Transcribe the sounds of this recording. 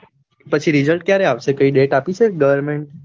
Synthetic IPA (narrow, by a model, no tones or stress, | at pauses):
pət͡ʃʰiɾizəlʈ̚kjaɾeaʋʃekəiɖeʈapit͡ʃʰeɡəʋəɾmeɳʈ̚